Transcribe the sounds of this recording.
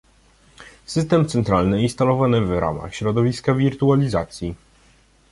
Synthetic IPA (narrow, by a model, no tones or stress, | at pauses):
sɘst̪ɛmt̪sɛnt̪ɾalnɘinst̪alɔvanɘvɾa̰ma̰xɕɾɔd̪ɔvʲiskavʲiɾt̪ualʲiza̰t̪sʲji